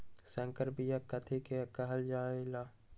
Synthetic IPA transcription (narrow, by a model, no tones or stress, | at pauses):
sɐ̃ŋkəɾbijakːɐt̪ʰikeɐkɐɦɐld͡ʒaːelaː